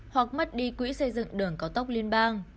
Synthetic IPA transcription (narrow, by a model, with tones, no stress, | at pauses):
hwa˨˩k̚mə˦˥t̚ɗi˧kwḭ˧˥sə˧jzɨ̰˧˨ŋɗɨ˨˩əŋkaː˨˦wt̪wk͡p̚li˧ənɓaː˧ŋ